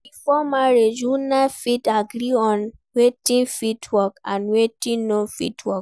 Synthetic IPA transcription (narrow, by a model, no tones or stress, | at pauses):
bifɔmaɾed͡ʒunafitaɡɾiɔ̃nwetĩnfitʰwɔkãnwetĩnõfḭtwɔk